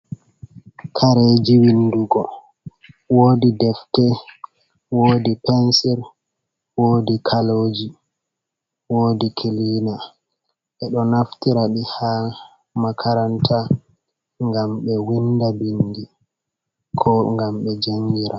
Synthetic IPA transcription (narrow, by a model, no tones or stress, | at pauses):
kʰaɾed͡ʒiwinduɡɔ | woːdidɛftɛ | woːdipɛnsɛɾ | woːdikʰaloːd͡ʒi | woːdikʰiliːna | ɓɛɗɔnaftiɾaɗiha | makʰaɾantʰa | ŋɡamɓɛwindabindi | kʰɔŋɡamɓɛd͡ʒaŋɡiɾa